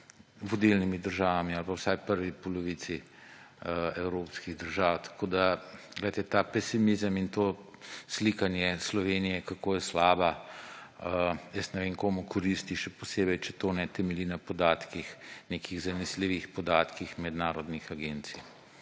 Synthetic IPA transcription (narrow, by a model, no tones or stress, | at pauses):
ʋɔd̪ilnimid̪əɾʒaːʋamialpawsajpəɾʋipɔlɔʋit̪si | ɛwɾoːpskiɣd̪əɾʒaːwt̪ḁkoːd̪aɡlɛt̪ɛt̪aːpɛsimizəmint̪oːslikanjɛslɔʋeːnijɛkakoːjɛslaːba | əjəsnɛʋeːŋkoːmukʰɔɾist̪iʃɛposeːbɛjt͡ʃɛt̪oːnɛt̪ɛmɛlinɐpɔd̪aːt̪kixnekʰiɣzanisliʋixpɔd̪aːt̪kixmɛd̪naːɾɔd̪nixaɡent̪sij